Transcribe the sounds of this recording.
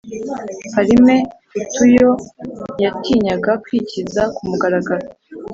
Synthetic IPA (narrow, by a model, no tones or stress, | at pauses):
haɾime̞ | utujo̞jatiːɲaɡakwicizakumuɡaɾaɡaɾo